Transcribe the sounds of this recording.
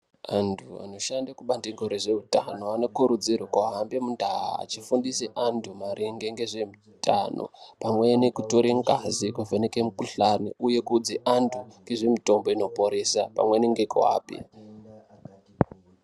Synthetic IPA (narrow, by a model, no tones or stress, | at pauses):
antʰua̰no̞ʃandakuɓandiŋɡoɾeʐeutanoano̞kuɾud͡zirwokoaɦambemundʱaɦa̰ːt͡ʃifundiseʔantʰumaɾʔiŋɡe̞ŋɡe̞ʐemu | tʰa̰no̰pamwenekutoɾeŋɡazikuvenekemukuɬanḭuje̞kud͡ziʔantʰuŋɡe̞ʐe̞mito̞mbo̞ino̞poɾesapa̰mweneŋɡekṵa̰ːpiḭ